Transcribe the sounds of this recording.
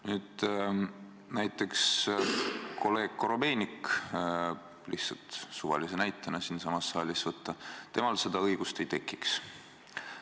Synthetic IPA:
nyːd̪̥ | næjt̪ːˑe̞ks | kʰo̞le̞ːɡ̥̚koɾo̞be̞ːnʲik | lʔḭhtsɑlt̪suvɑ̰lisenæjt̪ːˑɑnɑsinsɑmɑsːɑːlʲisvɤt̪ːˑɑt̪e̞mɑlse̞d̪̥ɑɤjɡ̥ust̪ejt̪e̞kːˑiks

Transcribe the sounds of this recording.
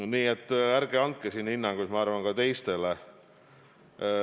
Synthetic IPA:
niːet̪ˑːæɾɡ̥eɑnt̪̚kesiːnhinːɑŋɡ̥usmɑɑrvɑnkɑt̪e̞jst̪e̞le

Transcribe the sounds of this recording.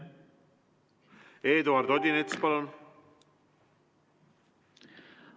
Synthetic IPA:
eːd̪oɑrd̪od̪ʲinet̪spɑlon

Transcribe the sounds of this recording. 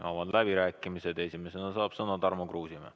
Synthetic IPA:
omɑd̪̥læb̥iɾæːkːˑimise̞d̪̥e̞sime̞senɑsɑːb̥sɤnɑd̪ɑrmokruːsime

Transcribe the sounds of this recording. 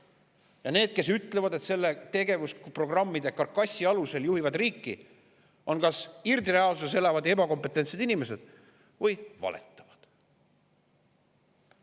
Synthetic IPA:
jɑne̞ːd̪̥̚ke̞syt̪ːˑle̞vɑd̪et̪se̞lːet̪e̞ɡe̞vuspro̞ɡ̥rɑmːid̪̥e̞kɑrkːɑsʲːiɑluse̞ljuhivɑd̪riːkːi | ʔo̞nkɑsird̪iɾe̞ɑlsusse̞lɑvɑd̪e̞bɑko̞mpːˑet̪ːˑent̪se̞d̪̥inimese̞d̪̥ | vɤjvɑ̰lʔḛt̪ːˑɑ̥vɑd̪̥

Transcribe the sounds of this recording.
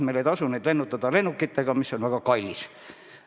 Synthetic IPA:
meileˑt̪ɑsuneːˑt̪lenːut̪ːɑt̪ɑlenːukːit̪ːækɑmisːonʋækɑkɑilʲːis

